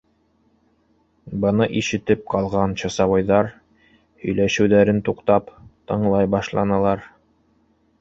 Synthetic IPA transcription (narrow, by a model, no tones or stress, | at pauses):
bɤ̆nɤʔiʃɘ̆t̪ɘp̚qɑlˠʁɑnɕɑsɑβɑjðɑɾ | hɵ̆jlæʃɘ̆wðæɾɘnt̪uqt̪ɑpt̪ɤ̆ɴlˠɑjbɑʃlˠɑnɤ̆lˠɑɾ